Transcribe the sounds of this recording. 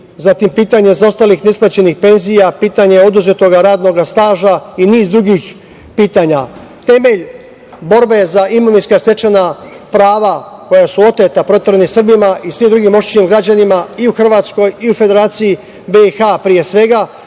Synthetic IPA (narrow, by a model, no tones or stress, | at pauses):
zat̪impiːt̪aɲezo̞st̪alixnesplat͡ɕe̞nixpe̞nzijapiːt̪aɲe̞o̞d̪uzet̪o̞ɡaɾaːd̪no̞ɡast̪aːʒainiːzd̪ɾuɡix | piːt̪aːɲa | t̪e̞me̞ʎ | bo̞ɾbe̞zaʔimoʋinskast̪e̞t͡ʃenapɾaːʋako̞jasuo̞t̪et̪apɾo̞t̪eɾenisr̩bimaʔisʋimd̪ɾuɡimo̞ʃt̪imɡɾad͡ʑanimaiuxr̩ʋaːt̪sko̞jiufe̞d̪e̞ɾaːt̪siji | be̞ixapɾije̞sʋe̞ɡa